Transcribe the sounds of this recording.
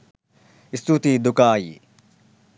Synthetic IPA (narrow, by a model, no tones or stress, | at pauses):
ist̪ʰut̪id̪ukaːjḭ